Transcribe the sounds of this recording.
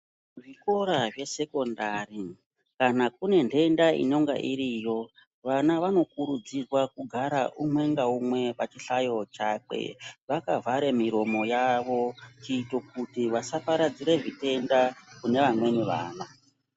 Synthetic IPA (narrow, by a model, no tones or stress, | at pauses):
ʐiko̞ɾaʐe̞se̞ko̞ndari | kanak̚une̞nde̞ndaḭno̞ŋɡa̰ʔiɾiːjo̞ | ʋanaʋano̞kuɾud͡zirwakuɡʱaɾaʔumwe̞ŋɡaumwe̞pat͡ʃiɬajo̞t͡ʃaːk͡pe̞̰ʋakavʱaɾe̞miɾo̞mo̞jaʋo̞t͡ʃiːto̞k̚utiʋasapaɾad͡ziɾe̞ʐite̞ndakune̞ʋamwe̞niʋa̰ːna